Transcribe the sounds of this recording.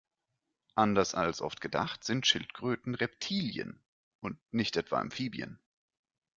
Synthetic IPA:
ʔandɐsalsʔɔ̰ftɡ̥əda̰χtz̥ɪntʃɪltɡ̥ʁ̥øːtn̩ʁɛptʰiːljə̰n | ʔʊntnɪçtʔɛtv̥a̰ɪ̰mfiːbjə̰n

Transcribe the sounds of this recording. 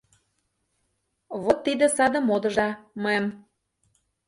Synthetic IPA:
βot̪ːid̪ə̆sɑd̪ə̆mod̪ə̆ʒɑmɤjem

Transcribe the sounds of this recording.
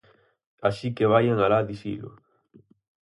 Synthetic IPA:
aʃikeβ̞ajaŋalaðiʃḭlʊ̰

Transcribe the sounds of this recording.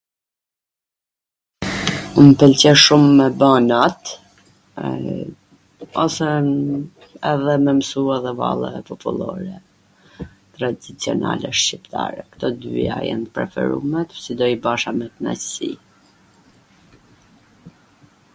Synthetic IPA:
umpɛlt͡ɕɛʃumːɛbanat̪ | ɔsɛ | ɛðɛmɛmsuɛðɛva̰lˠɛ̰ɛpɔpulˠɔɾɛ | t̪ɾad̪it͡siɔna̰lɛʃcipt̪ʰaɾɛkt̪ɔd̪y̰a̰jɛ̰npɾɛfɛ̰ɾumɛt̪sid̪ɔibaʃamɛt̪na̰si

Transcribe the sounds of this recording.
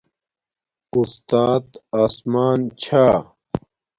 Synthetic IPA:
ust̪aːt̪aːsmaːnt͡ɕʰaː

